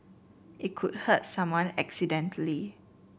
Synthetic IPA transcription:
ʔiʔ̚kʰud̚hət̚sãmwãnɛksidɛ̃ntʰəli

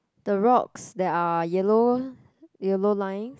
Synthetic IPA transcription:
d̥əɹɔksdɛtajɛlo | jɛlolãjɪ̃ŋs

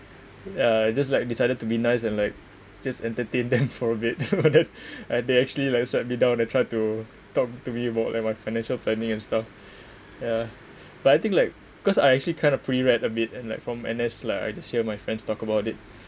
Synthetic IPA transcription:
jaaɪd͡ʒas̬laɪk̚disaɪdəd̚tubinaɪsɛ̃nlaɪk̚ | d͡ʒasɛ̃ntətẽndɛ̃mfɔɹəbɪt̚badɛ̃nʔadeɛk̚t͡ʃuəlilaɪksɛt̚midãʊ̃najtʰɹ̥aɪtu | tɔk̚tumiəbaʊt̚la̰ɪk̚maɪfaɪnɛ̃nʃəlplɛnĩŋɛ̃nstaf | ja | b̥ataɪjt̪ĩŋklaɪk̚ | ikɔsaɪɛk̚t͡ʃuəlikʰãɪ̃ndɔpʰɹiiiɹɛtəbitɛ̃nlaɪkfɹɔ̃mɛ̰̃nɛslaɪka̰ɪd͡ʒashiəmaɪfɹɛ̃ndstɔkəbaʊtɪt̚

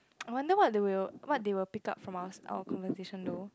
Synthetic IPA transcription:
ajwãndəwɔt̚dewilwɔt̚dewɪlpika̰p̚fɹɔ̃maəsʔa̰wəkʰɔ̃nvəteʃə̃ndo

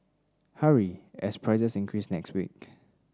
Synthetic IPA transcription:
haɹiɛspʰɹɛzəsĩŋkʰɹisnɛkstwḭk̚

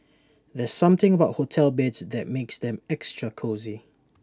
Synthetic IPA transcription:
ðɛz̥sʌ̃mθɪ̃ŋəbaʊt̚hotʰɛlˠbɛdzðəʔ̚meksðɛ̃mɛkstɹəkʰozi

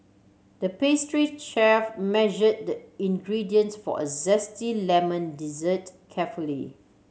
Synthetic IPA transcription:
dəpestɹit͡ʃɛfmɛʒəd̚dəĩnɡɹidiə̃nsfɔ̰ʔəzɛstilɛmə̃ndizətkʰɛfulḭ

